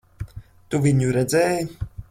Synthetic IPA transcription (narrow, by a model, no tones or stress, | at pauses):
t̪uvʲiɲuɾɛd̪zɛːj